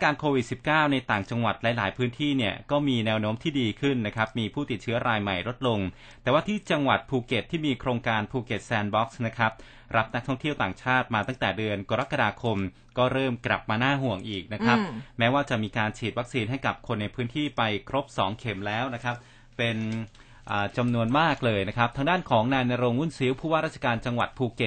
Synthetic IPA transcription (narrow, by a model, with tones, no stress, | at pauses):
a˥kaː˧nkʰoː˧wi˨˩t̪̚si˨˩p̚kaː˥˩wna˧jt̪aː˨˩ŋt͡ɕa˧ŋwa˨˩t̪̚lɛ˦˥laː˩˦jpʰɯː˦˥nt̪ʰiː˥˩ni˥˩ɐkɔː˥˩miː˧nɛː˧wnoː˦˥mt̪ʰiː˥˩diː˧kʰɯ˥˩nːa˦˥kʰa˦˥p̚miː˧pʰuː˥˩t̪i˨˩t̪̚t͡ɕʰɯ˦˥ɐɾʔaː˧jma˨˩jɾo˦˥t̪̚lo˧ŋ | t̪ɛː˨˩waː˥˩t̪ʰiː˥˩t͡ɕa˧ŋwa˨˩t̪̚pʰuː˧ke˨˩t̪ʰːiː˥˩miː˧kʰɾoː˧ŋkaː˧npʰuː˧ke˨˩t̪̚sɛː˧nbɔ˦˥k̚sna˦˥kʰɾa˦˥p̚ | ɾa˦˥p̚na˦˥k̚t̪ʰɔ˥˩ŋt̪ʰi˥˩əwt̪aː˨˩ŋt͡ɕʰaː˥˩t̪̚maː˧t̪a˥˩ŋt̪ɛː˨˩dɯ˧ənkoː˧ɾa˦˥kːa˧daː˧kʰo˧m | kɔː˥˩ɾɤː˥˩mkɾa̰˨˩p̚maː˧naː˥˩ɦu˨˩əŋʔiː˨˩k̚na˦˥kʰɾa˦˥p̚mɛː˦˥waː˥˩t͡ɕa˨˩miː˧kaː˧nt͡ɕʰiː˨˩wa˦˥k̚siː˧nhɦa˥˩jka˨˩p̚kʰo˧nːa˧jpʰɯː˦˥nt̪ʰiː˥˩pa˧jkʰɾo˦˥p̚sɔː˩˦ŋkʰe˩˦mlɛː˦˥wna˦˥kʰa˦˥p̚ | pe˧n | ʔaː˨˩t͡ɕa˧mnu˧ənmaː˥˩k̚lɤː˧jna˦˥kʰa˦˥p̚t̪ʰaː˧ŋdaː˥˩nkʰɔː˩˦ŋnaː˧jna˧ɾoː˧ŋwu˥˩nsi˦˥wpʰuː˥˩waː˥˩ɾaː˥˩t͡ɕa˧kaː˧nt͡ɕa˧ŋwa̰˨˩t̪̚pʰuː˧ke˨˩t̪̚